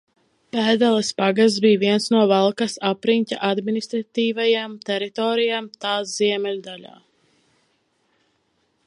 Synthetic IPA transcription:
pæːd̪alˠɛspaɡast̪biːviɛnsnuɔvalˠkasapɾiɲʲcʲa̰ʔad̪minist̪ɾat̪iːvajamt̪ɛɾit̪ɔːɾijamt̪aːsz̥iɛmɛlʲd̪aʎa̰ː

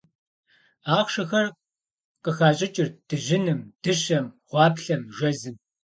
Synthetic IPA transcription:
aːχʂɐxɐr | qəxaːɕʼɪt͡ʃʼɪrd̥ɨʒɪnɨmd̥ɨɕɐmʁʷɑːpɬɐmʒʷɐzɨm

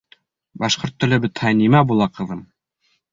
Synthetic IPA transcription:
bɑʃqoɾt̪ːɵ̆lɘ̆bɘt̪hɑjnimæbulˠɑqɤ̆ðɤm

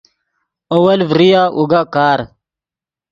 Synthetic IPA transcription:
owɐlvɾijaʔuɡakaːɾ

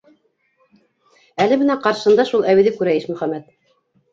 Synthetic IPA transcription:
ælɘ̆mɘ̆næqɑɾʃɤ̆nd̪ɑʃulˠæwĭðɘkʉɾæjiʃmɵ̆χæmæt̪̚

